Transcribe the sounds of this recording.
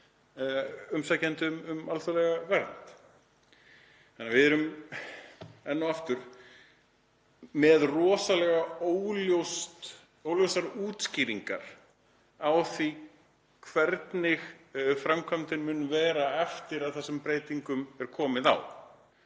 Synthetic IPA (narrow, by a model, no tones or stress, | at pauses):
ʏmsacɛnt̪ɪʏmʏmalθʏɾlɛɣavɛɾnt̪ | θanːavɪðɛɾʏm | ɛnːawaft̪ʏɾ̥ | mɛðrɔːsalɛɣaowljowst̪ | owljowsaɾuːt̪sciːɾiŋka̰ɾ̥ | awθi | kʰvɛɾt̪nɪɣfɾamkʰamt̪ɪnmʏːnʏvɛːɾaɛft̪ɪɾaðθasɛmpɾeːjt̪iŋkʏmɛɾ̥kʰɔːmɪða̰w